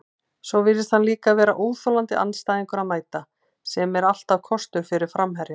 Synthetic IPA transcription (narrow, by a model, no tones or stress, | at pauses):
sɔvɪɾɪst̪hanliːkavɛːɾaʔoːwθɔlant̪ɪʔa̰nst̪ajðiŋkʏɾaðmaːjt̪a | sɛmɛɾal̥t̪awkʰɔst̪ʏɾ̥fɪɾɪɾ̥fɾamɦɛɾja